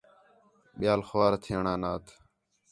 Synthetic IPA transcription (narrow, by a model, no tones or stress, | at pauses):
ɓɪjaːlxʋaːɾt̪ʰɪəɳaːnaːt̪ʰ